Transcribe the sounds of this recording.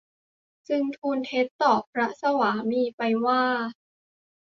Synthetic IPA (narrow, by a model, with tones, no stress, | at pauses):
sɯ˧ŋt̪ʰuː˧nt̪ʰe˦˥t̪ːɔː˨˩p̚ʰːɾa˦˥sa˧waː˩˦miː˧pa˧jwaː˥˩